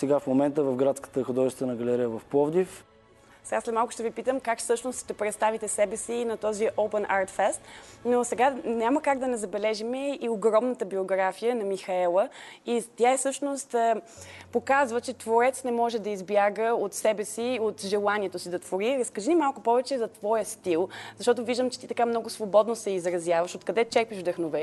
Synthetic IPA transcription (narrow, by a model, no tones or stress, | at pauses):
sɛɡafmomɛnt̪əvɐfɡɾat̪skə̥t̪əxod̪ɔʒɛst̪vənɐɡɐlɛɾijəvɐfpˠɔvd̪if | sɛɡaslʲɛmalˠkʊʃt̪ɛvipit̪əmkakfsɤʃnost̪ʃt̪ɛpɾɛt̪st̪avit̪ɛsɛbɛsinɐt̪ɔziʔopɛnʔaɾt̪fɛst̪nosɛɡanʲaməkaɡd̪ɐnɛzɐbɛlɛʒimɛioɡɾɔmnət̪əbioɡɾafijənɐmixɐɛlˠəit̪ʲjaɛsɤʃnost̪ə | pokazvət͡ʃɛt̪voɾɛt̪snɛmɔʒɛd̪ɐizbjaɡəot̪sɛbɛsiot̪ʒɛlˠaniɛt̪osid̪ɐt̪voɾiɾɐskɐʒinimalˠkʊpɔvɛt͡ʃɛzɐt̪vɔjəst̪ilˠzɐʃt̪ɔt̪oviʒd̪əmt͡ʃɛ̥t̪it̪ɐkamnɔɡʊsvobɔd̪nosɛizɾɐzʲjavəʃot̪̚kɐd̪ɛt͡ʃɛɾpiʒvd̪ɐxnovɛ